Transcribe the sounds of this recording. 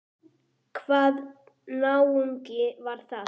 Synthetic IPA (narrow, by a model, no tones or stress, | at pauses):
kʰvaːð | nawuŋcɪvaɾ̥θa